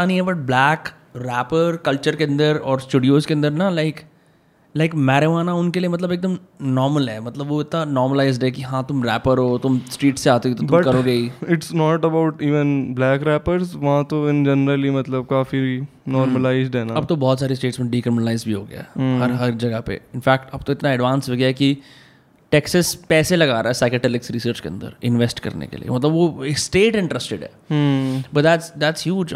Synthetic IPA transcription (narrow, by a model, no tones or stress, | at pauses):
anɐɦĩɦɛbɐʈ̚blɛːk | ɾɛːpəɾkɐlt͡ʃəɾkeɐ̃nd̪əɾɔːɾsʈuːɖijoːskeɐ̃nd̪əɾnalaɪk | laɪkmɛːɾeʋaːnaʊnkeliemɐt̪̬ləbeːk̚d̪əmnɔːɾməlɦɛːmɐt̪ləbʋoɪt̪nanɔːɾməlaːɪzɖɦɛːkiɦãːt̪ʊmɾɛːpəɾɦoːt̪ʊmsʈɾiːʈseaːt̪uit̪ot̪ʊbmɐkɐɾoɡɐiɪʈsnɔːʈɐbaʊʈiːʋə̃nblɛːkɾɛːpəɾzʋɐɦãt̪oɪnd͡ʒənɾəlimɐt̪ləb̚kaːfi | nɔːɾməlaːɪzɖɛnaɐb̚t̪obɔːt̪saːɾisʈeːʈsmẽɖiːkɾɪmɪnəlaːɪzbʱiɦoːɡɐ̰ja̰ɦɐɾɦɐɾd͡ʒɐɡapḛɪnfɛːkʈɐb̚t̪oɪt̪naɛɖʋãːnsɦoɡjaɦɛki | ʈɛːksəspɛːselɐɡaːɾaːɛsaːɪkəʈɛlɪksɾɪsəɾt͡ʃkeɐ̰̃nd̪ə̰ɾɪ̃nʋesʈkɐ̰ɾnḛkḛlḭḛmɐt̪ləbʋosʈeːʈɪ̃ɳʈɾəsʈeɖɦɛ̰ː | bɐʈd̪æːʈsd̪æːʈsɦjuːd͡ʒ